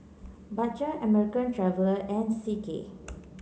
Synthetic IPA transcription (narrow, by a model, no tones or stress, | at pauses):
bat͡ʃəəmɛɹikə̃ntɹavəlɛ̃nsikḛ